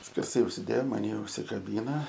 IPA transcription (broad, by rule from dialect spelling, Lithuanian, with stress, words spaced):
sʲkʲɛrˈsɐɪ ʊʃʲsʲɪˈdʲeːjoː ʊn mɐnʲɪ ʊʃʲsʲɪkɐˈbʲiːnɐ